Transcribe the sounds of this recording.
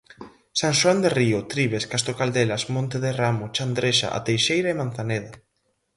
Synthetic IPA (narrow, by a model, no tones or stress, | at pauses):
saŋʃwand̪eriʊt̪ɾiβ̞eskast̪okald̪elasmõnt̪eðeramot͡ʃand̪ɾeʃa̰ʔa̰t̪ejʃejɾaemanθaneða